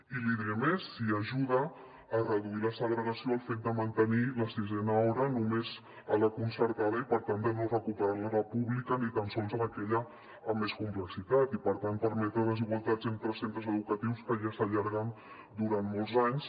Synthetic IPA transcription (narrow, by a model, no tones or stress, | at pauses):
iliðɛmesːiəʒuðəː | rəðuiləsəɣɾəɣəsioəlˠfet̪̚d̪əmənt̪əniləsizɛnəɔɾənumez | ələkunsəɾt̪aðəipəɾt̪and̪ənorəkupəɾaɾləɾəpuβlikənit̪ansɔlˠzələkɛʎəː | mːeskumpləksit̪at̪ipəɾt̪anpəɾmɛt̪ɾəðəziɣwalˠt̪ad͡zənt̪ɾəsent̪ɾəzəðukət̪iwskəʒasəʎaɾɣan | d̪uɾanmɔlˠzaɲs